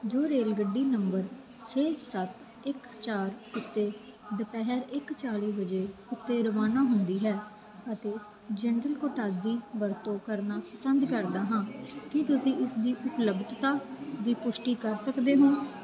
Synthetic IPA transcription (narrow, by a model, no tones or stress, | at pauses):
d͡ʒoːɾeːlɡəɖːiːnəmbəɾ | t͡ʃʰeːsət̪ | ɪk | t͡ʃaːɾʊt̪ːeː | d̪əpɛɦɛɾɪkt͡ʃaːliːbəd͡ʒeːʊt̪ːeːɾəʋaːnaːɦʊnd̪iːɦɛː | ət̪eː | d͡ʒɛnɾəlkoːʈaːd̪iːʋəɾt̪õːkəɾnaːpəsənd̪kəɾd̪aːɦãːkɪt̪ʊsĩːɪsd̪iːʔʊpləbt̪t̪aːd̪iːpʊʃʈiːkəɾsəkd̪eːɦõː